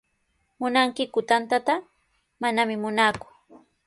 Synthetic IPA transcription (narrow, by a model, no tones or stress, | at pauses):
mʊnaŋkɪkʊt̪ant̪at̪a | manamɪmʊnaːkʊ̥